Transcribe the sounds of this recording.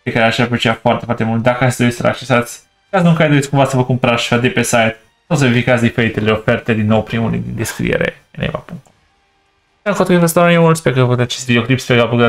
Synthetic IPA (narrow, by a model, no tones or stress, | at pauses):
pekaɾeaʃapet͡ʃeafoart̪efwaɾt̪emult̪̚d̪akəasd̪oisəɾa̰k̚t͡ʃesat̪sʲ | kasnuŋkajd̪oit̪sʲkũmvasəvəkumpəɾasʃi̥vad̪epesajt̪ | saws̬evifikat̪sʲd̪ifeɾit̪e̞le̞ofe̞rt̪e̞d̪inːo̞wpɾimulḭd̪ind̪eskɾḭḛɾḛ | nḛva̰puŋk̚t̪ | aŋkot̪əivəst̪aomult̪spekəot̪at͡ʃest̪vid̪ioklipspeɡalpoɡa